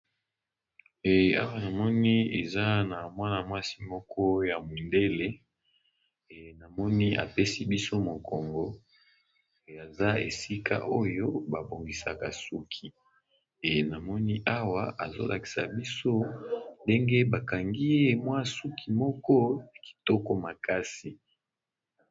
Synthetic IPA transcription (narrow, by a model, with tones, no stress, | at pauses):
e˨a̰˦wa˦na˨mɔ˦ni˦e˨za˦na˨mwa˦na˨mwa˦si˦mɔ˦kʰɔ˦ja˨mu˨nde˦le˦˨ | na˨mɔ˦ni˦a̰˨pe˦si˦bi˦so˦mo˨kɔ˨ŋɡɔ˨˦˨ | a˨za˦ḛ˨si˦ka̰˦ʔo˦jo˦ba˨bo˨ŋɡi˨sa̰˨ka̰˨su˦kʰi˨ | e˨na˨mɔ˦ni˦ʔa˦wa˦ʔa̰˨zo̰˦lʔa̰˨ki̥˨sa̰˨bi˦so˦nde˦ŋɡe˦ba˨ka˨ŋɡi˦e˦mwa˦su˦kʰi˨mɔ˦kɔ˦ja˨ki̥˨tɔ˦kɔ˦ma˨ka˦si˨